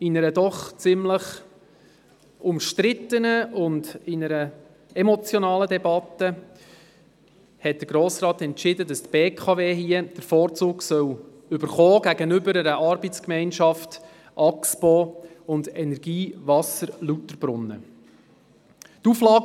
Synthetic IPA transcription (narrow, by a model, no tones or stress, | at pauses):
ɪnəɾədɔχt͡sɪmləχ | ʊmʃtɾɪtənəʊndɪnəɾə | ɛmɔt͡sjɔnɑːlədɛbɑt̪ə | hɛt̚d̥əɾɡɾoːsrɑːt̪ɛntt͡ʃɪdədɑst̪b̥eːkʰɑveːɦiəd̥əɾfɔːɾt͡suːɡsœw | ʏbəɾχɔːɡæɡənʏbəɾəɾəʔɑɾbɛt͡skmɛɪnʃɑft | ʔɑkspɔː | ʊndɛnɛɾɡiːvɑsəɾlutəɾb̥ɾʊnːə̰ | tuflɑːɡ